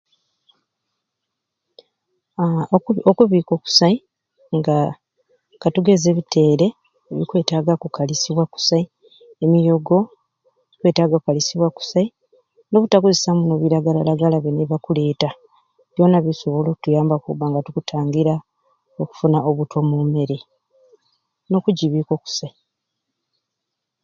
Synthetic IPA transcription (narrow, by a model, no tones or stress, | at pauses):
okuβiːko̞ku̥sai | ŋɡa | katuɡe̞ze̞ːβitʰe̞ːɾe̞ | eβikwe̞ːtaɡakukalisiβwaku̥sai | emijo̞ɡo̞ | βikwe̞ːtaːɡakukalisiβwaku̥sai | no̞βutakuzisamuno̞βiɾaɡalalaɡalaβeneβakule̞ːta | βjo̞naβiso̞βo̞lo̞kutujaːmbakuubaŋɡatukutʰaːŋɡiɾa | oku̥funaʔoβutwomume̞ɾe | no̞kuɟiβiko̞ku̥sai